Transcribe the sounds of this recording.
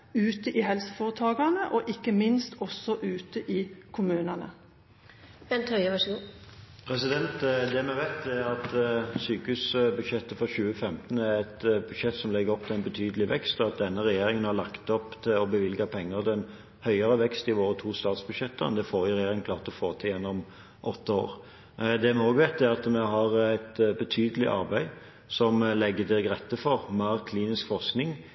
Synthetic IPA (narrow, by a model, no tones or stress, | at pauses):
ʉːt̪əʔihɛlsəfoːʁət̪ʰɑːɡɑnəʔɔʔɪkːəmɪnst̪ɔsːɔʔʉːt̪əʔiːkʰʊmʉːnənə̰ | b̥ɛnt̪œʏəʋɑʂəɡuːpʰɾɛsɪd̪ɛnt̪d̪ɛmɛʋæɪt̪̚d̪ɛɑt̪syːkəʉːsbʉd̪ʃɛt̪ːəfɔɕʉːəfɛmt̪n̩æɾɛt̪bʉd̪ʃɛt̪ːsɔmlɛɡːəɾɔpt̪ʰɪlɛɪnbət̪ʰyːd̪əlɪʋɛkst̪ɔɑt̪̚d̪ɛnːəʁɛjeːɾɪŋənhɑɭɑkt̪ɔpt̪ʰɪɔbəʋɪlɡɑpʰɛŋːəʁd̪ɛn | hœʏəɾəʋɛkst̪ɪʋoːɾət̪ʰuːst̪ɑːt̪sbʉd̪ʂɛt̪ːənd̪ɛfoːɾɪɾɛjeːɾɪŋnkʰlɑːʁt̪ɔfoːt̪ʰɪjɛnːɔm | ʔɔt̪ːəo̰ːɾ | d̪ɛmɛoːɡʋɛːt̪ːæɾʁɑt̪mɛɦɑʁæt̪bət̪ʰyːd̪əlɪ̰ʔɑ̰ɾbæɪ | sɔmlɛɡːəd̪ɪɡɾɛt̪ːəfɔɾmæɾkʰliːnɪskfɔɾsknɪŋ